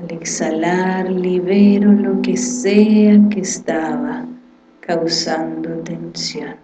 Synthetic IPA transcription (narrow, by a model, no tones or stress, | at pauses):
aleksalaɾliβeɾolokeseakest̪aβa | kawsãnd̪ot̪ẽnsjon